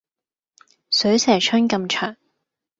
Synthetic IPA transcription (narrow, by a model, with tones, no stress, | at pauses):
sɵ˨˥ɥsɛː˨˩t͡ʃʰœ˥nkɐ˧mt͡ʃʰœː˨˩ŋ